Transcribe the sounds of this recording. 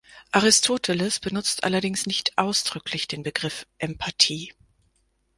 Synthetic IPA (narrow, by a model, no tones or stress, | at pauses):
ʔaʁɪstʰoːtʰəlɪsb̥ənʊt͡stʰʔa̰lɐdɪŋsnɪçtʔaʊsd̥ʁʏklɪçd̥eːnbəɡʁɪfʔɛmpʰatʰiː